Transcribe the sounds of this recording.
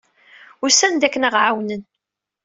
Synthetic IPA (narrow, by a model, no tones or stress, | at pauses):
ʊɾsænd̪ækːənaʁʕawnən